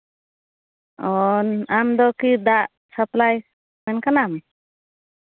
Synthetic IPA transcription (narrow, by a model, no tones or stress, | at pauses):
ɔnamd̪ɔkid̪aʔ | saplaj | mɛnkanam